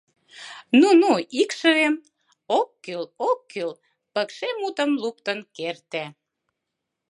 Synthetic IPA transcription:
nunuikʃə̆βem | okːylokːyl | pəkʃemut̪ə̆mlup̚t̪ənkert̪æ

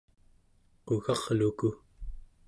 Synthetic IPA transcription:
uɣɑʁluku

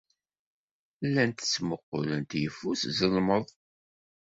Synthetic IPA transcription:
lːænt̪t͡sːməqːʊlənt̪jəfːuszəlməðˤ

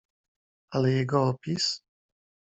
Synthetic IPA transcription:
alɛjɛɡɔɔpʲis

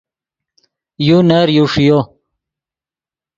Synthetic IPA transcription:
juneɾjuʂijo

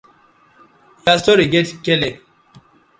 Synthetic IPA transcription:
jastɔɾiɡɛtkɛlɛk

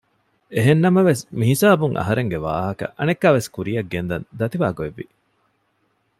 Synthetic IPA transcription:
eɦenːɐmɐʋesmiɦisaːbuŋʔɐ̰ɦɐɾeŋɡeʋa̰ːɦɐkɐ̰ʔɐnekːaːʋeskuɾijɐɡːend̪ɐ̰nd̪ɐt̪iʋaːɡoeʋːi

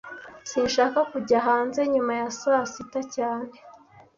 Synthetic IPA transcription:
siːnʃaːkakuɟaɦaːnze̞ɲumajasasitacaːne̞

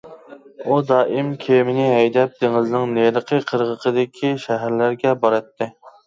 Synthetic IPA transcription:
ud̪ɑːʔɪmkʲʰemɪnɪɦɛjd̪ɛp̚d̪̥eŋɪznɪŋneɾəqʰəqʰəɾʁəqʰəd̪ɪkʲʰiʃæɦæɾlæɾɡʲɛbɑɾɨt̪ʰːɨ

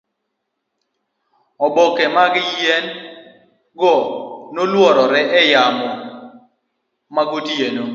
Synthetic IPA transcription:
ɔbokɛmaɡɪjɛn | ɡɔnolwɔɾɔɾɛʔɛjamɔ | maɡodjeno

